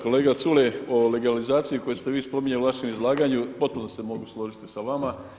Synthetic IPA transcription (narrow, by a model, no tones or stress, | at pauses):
ko̞le̞ːɡat̪suleo̞le̞ɡalizaːt̪sijiko̞jest̪eʋiːspo̞miɲauʋaʃe̞mizlˠaːɡaɲupo̞t̪̚punosemo̞ɡuslˠo̞ʒit̪isaʋama